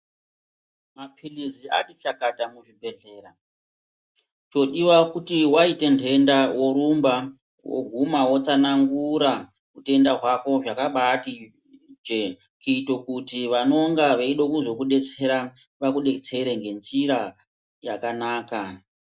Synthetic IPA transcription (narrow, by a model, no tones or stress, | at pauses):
mapʰilizia̰ɗit͡ʃakatamuʐibʱe̞ɮe̞ːɾa | t͡ʃo̞ɗiwakutiwaite̞ntʰe̞ndawo̞ɾumba | wo̰ɡʱumawo̞t͡sanaŋɡuɾa | ute̞ndaɦwako̞ʐakaɓati | d͡ʒe | kuito̞kutiʋano̞ŋɡaʋeiɗokuzo̞kuɗe̞t͡se̞ɾa | ʋakuɗe̞t͡se̞ɾeŋɡe̞nd͡ʒiɾa | ja̰kanaːka